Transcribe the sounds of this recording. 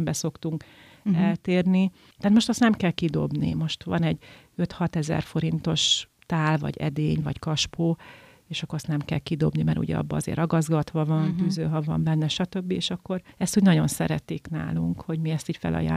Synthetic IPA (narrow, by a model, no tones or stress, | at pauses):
mbɛso̞kt̪uŋk | ɛlt̪eːrni | t̪aːt̪mo̞ʃt̪ɒst̪nɛmkɛlkid̪o̞̰bnḭmo̞ʃt̪ʋɒ̰nɛɟ | øt̪hɒt̪ɛzɛ̰rfo̞ɾint̪o̞ʃ | t̪aːlvɒ̰ɟɛ̰d̪eːɲvɒ̰ckɒʃpoː | eːʃɒkːɾɑst̪nɛmkɛ̰lkid̪o̞bnimɛ̰ɾṵɟɛ̰ɒ̰bːɒɒzḛːɾʔɒɡɒzɡɒt̪ʋɒvɒnt̪yzøːɦɒvɒ̰mbɛnːɛʃɒt̪ø̞bːieːʃɒkːo̞ɾɛst̪uːɟnɒɟo̞nsɛ̰ɾɛt̪ikna̰ːluŋkho̞ɟmiɛst̪iːɟfɛ̰lɒ̰ja̰ː